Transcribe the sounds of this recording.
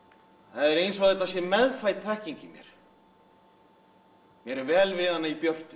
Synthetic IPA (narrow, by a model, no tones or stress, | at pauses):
θaðɛɾejnsɔðejt̪asjɛmɛðfajt̪θɛhciɲcɪmjɛ̰ɾ̥ | mjɛɾɛɾvɛːlvɪːðanaipjœr̥t̪ʏ̥